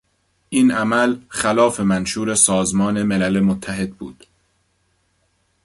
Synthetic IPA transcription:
ʔiːnʔæmælxælɒːfe̞mænʃuːɾe̞sɒːzmɒːne̞melælemot̪ʰːæɦe̞d̪̚bṵːd̪̥

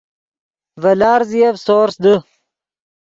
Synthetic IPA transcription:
vɐlaːɾzijavsoːɾsd̪ə

